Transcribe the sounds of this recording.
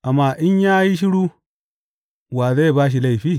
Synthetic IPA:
ʔa˨mːa˦˨ʔɪ˦ɲjaː˦ji˦ʃ̬i˦ɽuː˦ | waː˨ze˦˨baː˦ʃ̬i˨la˦˨ɸiː˦

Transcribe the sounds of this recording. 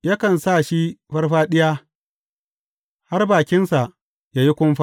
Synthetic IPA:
ja˦kɐ˨nsa˦˨ʃi˦ɸɐ˦rɸaː˦ɗɪ˦jaː˦ | ha˦rbaː˨kʲɪ˦nsa˨ʔ | jaː˦ji˦kʷʊ˦mɸa˦

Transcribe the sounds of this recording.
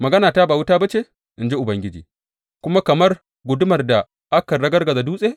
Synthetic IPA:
mɐ˨ɡɐ˦naː˨taː˦baː˨wʊ˦taː˦ba˦t͡ʃe˦ | ʔɪ˨nd͡ʒi˦ʔʊ˨bɐ˦ŋɡʲɪ˦d͡ʒḭː˨ | kʷʊ˦ma˦kɐ˨mɐ˦r | ɡʷʊ˨dʊ˦mɐ˨rda˨ | ʔa˦kɐ˨ɽɐ˦ɡɐ˦rɡɐ˨za˨duː˦sʼeː˦

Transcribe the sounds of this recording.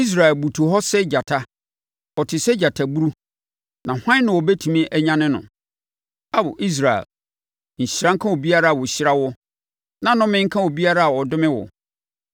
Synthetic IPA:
i˦s̬ɾa˨ɛ˨lbu˨tʰu˨ɦɔ˦sɛ˦d͡ʑa˨tʰa˦ | ɔ˨tʰɪ˨sɛ˦d͡ʑa˨tʰa˨bu˦ɾu˦ | nã˨hʷã˦nʊ̃˨wɔ˨bɛ˦tʰu˨mĩ˦ʔɛ˦ɲã˦nɪ̃˦nʊ̰̃˨ | a˦bʊ̰˨ʔi˦s̬ɾa˨ɛ̰˨l | ɲ̩˨ɕɾã˦ŋ̩˦kʰã˦wɔ˨bi˦a˦ɾa˦a˨wɔ˨ɕɪ˦ɾa˦wɔ˦ | nã˨nʊ̃˦mɪ̃˦ŋ̩˦kʰã˦wɔ˨bi˦a˦ɾa˦a˨wɔ˨dʊ˦mɪ̃˦wɔ̰˨

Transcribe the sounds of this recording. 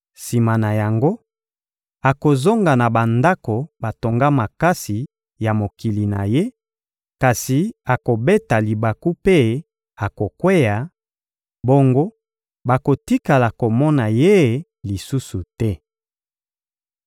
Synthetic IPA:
si˨ma˨na˨ja˨ŋɡo˦ | a˨ko˨zo˦ŋɡa˨na˨ba˨nda˦ko˨ba˨to˨ŋɡa˦ma˨ka˦si˨ | ja˨mo˨ki˨li˨na̰˨je˦ | ka˨si˨a˨ko˨be˦ta˨li˨ba˨ku˦pe˦ | a˨ko˨kwe˦ja˨ | bo˦ŋɡo˦ | ba˨ko˨ti˦ka˨la˨ko˨mɔ˦na˨je˦˨ | li˨su˦su˨tɛ˦

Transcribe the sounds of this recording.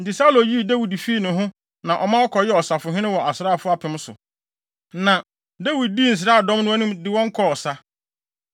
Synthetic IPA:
n̩˨tɪ˨sa˦lo˨ji˦˨da˦wi˨dfiː˦nʊ̃˨ɦʊ̃˦ | nã˨ʔɔ˨mã˦ɔ˦kʰɔ˨jɛ˦ɔ˨sa˨fʊ˨ɦɪ̃˦nɪ̃˦wɔ˨a˨sɾaː˦˨fʊ˦a˨pʰɪ̃˦m˦sʊ̰˨ | nã˨ | da˦wi˨d̚di˦˨n̩˨s̬ɪɾaː˦˨dɔ̃˦m˦nʊ̃˦a˦nʊ̃˦mdɪ˦wɔ̃˦ŋ̩˦kʰɔ˦ɔ˨sa˦

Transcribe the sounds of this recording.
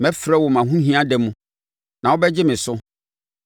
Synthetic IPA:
mɛ̃˦fɾɛ˦wɔ˨mã˨ɦũ˦ɦĩ˦a˦dɛ˨mũ˦ | nã˨wo˦bɛ˦d͡ʑɪ˦mɪ̃˨sʊ˦

